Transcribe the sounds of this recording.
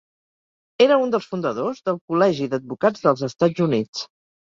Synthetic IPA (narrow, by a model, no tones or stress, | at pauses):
eɾəund̪əlˠsfund̪əðozðəlˠkulɛʒiðəd̪̚βukad͡zðəlˠzəst̪ad͡zunit͡s